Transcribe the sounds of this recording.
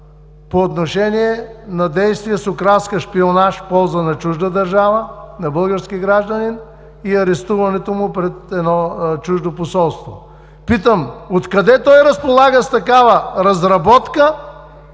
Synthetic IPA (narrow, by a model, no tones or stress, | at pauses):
poːt̪noʃɛniɛnɐd̪ɛjst̪viəsokɾalˠskəʃpionaʃpɔlˠzənɐt͡ʃuʒd̪əd̪ɐɾʒavənɐbɤlˠɡəɾskiɡɾaʒd̪ənin | iɐɾɛst̪uvɐnɛt̪omʊpɾɛt̪ɛd̪nɔt͡ʃuʒd̪oposɔlˠst̪vo | pit̪əmot̪kɐd̪ɛt̪ɔjɾɐspolˠaɡəst̪ɐkavəɾɐzɾɐbɔt̪kə